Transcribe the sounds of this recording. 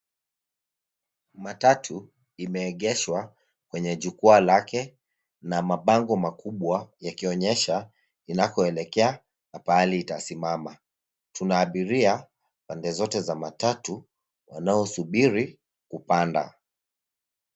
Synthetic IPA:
matatʰu | imɛːɠɛʃwa | kwɛɲɛʄukualakɛ | namaɓaŋɡɔmakuɓwajakiɔɲɛʃa | inakɔɛlɛkɛa | napaliːtasimama | tunaːɓiɾia | pandɛzɔtɛzamatatu | wanaɔsuɓiɾi | kupanda̰

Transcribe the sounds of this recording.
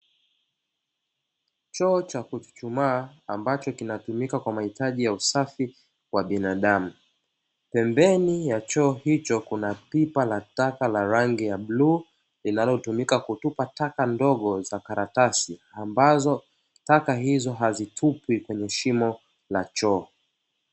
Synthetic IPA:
t͡ʃɔːt͡ʃakut͡ʃu̥t͡ʃumaːmbat͡ʃɔkinatumikakwamahitaʄijausafi | kwaɓinaɗamu | pɛmbɛnijat͡ʃɔːhit͡ʃɔkunapipalatakalaɾaŋɡijaɓlu | linalɔtumikakutupatakandɔɠɔzakaɾatasiambazɔ | takaɦizɔɦazitʰupwikwɛɲɛʃimɔ | lat͡ʃɔː

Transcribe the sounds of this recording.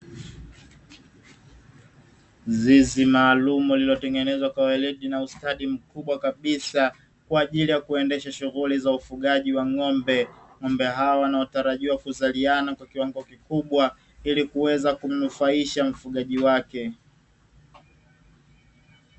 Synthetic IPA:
zizimaːlumuulilɔtɛŋɡɛnɛzwakwawɛliɗinaustaɗim̩kuɓwakaɓisa | kwaːʄilijakuɛndɛʃaʃuɣulizaufuɠaʄiwaŋɔmbɛŋɔmbɛɦaɔwanaɔtaɾaʄiwakuzalianakwakiwaŋɡɔkikuɓwa | ilikuwɛzakum̩nufaiʃam̩fuɠaʄiwakɛ

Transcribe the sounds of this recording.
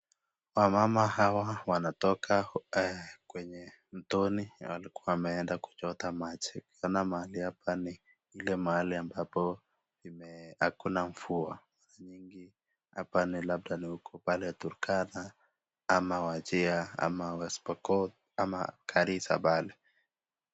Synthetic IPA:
wamamaɦawawanatɔkʰaɛkwɛɲɛ | n̩tɔniwa̰likuwawamɛɛndaku̥t͡ʃɔt̪amat͡ʃɛukiɔnamaaliapʰani | ilɛmahaliambapɔ | imɛhakunaɱ̩fua̰maɾaɲiŋɡi | hapanilab̚danihukɔpaliatuɾkana | amawat͡ʃiaa̰mawɛspɔkɔt̚ | ama̰kʰaɾisa̰ɓalɛ

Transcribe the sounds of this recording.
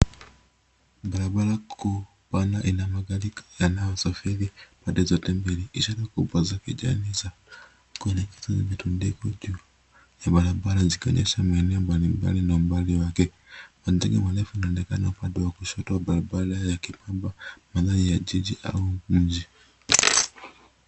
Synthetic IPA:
balabalakʰu | panaʔinamaɡalijanajasafilipadɛzɔtɛmbiliiʃalakubazakid͡ʒa̰niza | kuɛnɛkɛ̥zazamitundikud͡ʒu | jabalabalazika̰ɲɛʃamainɛambalimba̰linambaliwakɛ | pandɛɡɛmwalɛfuinaɔnɛkanaupandɛwakuʃɔtawabalabalajakipambamananijad͡ʒid͡ʒiʔa̰wumud͡ʒi

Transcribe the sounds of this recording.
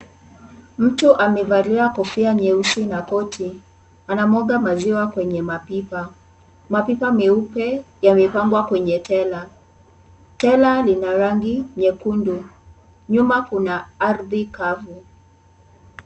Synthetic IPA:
m̩tuʔamɛvaɾiɾakɔfiaɲɛusinakɔtʰi | anamɔɡamaziwakwɛɲɛmapipa | mapipamɛupɛjamɛpaŋɡwakwɛɲɛtʰɛla | tɛlalinaɾaŋɡiɲɛkundu | ɲumakunaaɾðikavu

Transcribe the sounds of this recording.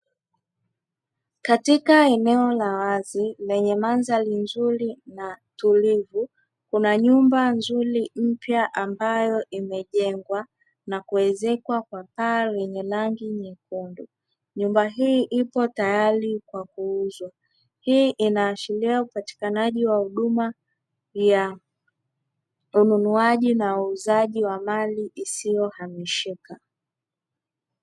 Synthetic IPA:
katikaɛnɛɔlawazilɛɲɛmanzalinzuɾinatulivu | kunaɲumbanzuɾim̩pjaʔambajɔʔimɛʄɛŋɡwa | nakuɛzɛkwakwapaːwɛɲɛlaŋɡiɲikundu | ɲumbaɦiːʔipɔtajaɾikwak̚uuzwa | hiːʔinaːʃiliaupati̥kanaʄiwahuɗuma | ja | ununuaʄinauːzaʄiwamaliʔisijɔhamiʃika

